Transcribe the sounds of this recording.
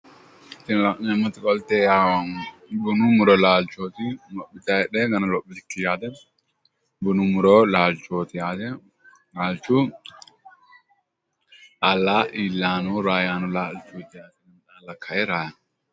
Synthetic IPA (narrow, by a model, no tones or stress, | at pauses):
ɪt̪ːɪnnɐmːɐt̪ɪkʼɔlt̪eːjaːwɐnbʊnʊmʊɾɔlaːlt͡ʃːoːt̪ɪmɔpːɪt̪ɐɛᶑɛɡɐnɐlɔpːɪt̪ɪkːɪjaːd̪ɛ | bʊnʊmʊɾɔlaːlt͡ʃoːt̪ɪjaːd̪ɛ | laːlt͡ʃːu | ʔalːaːʔiːlːaːnuɾaːjaːnɔlaːlt͡ʃʼut̪ːɪjaːt̪ɛɡɐntaːlɐkʰːɐjɛɾaːja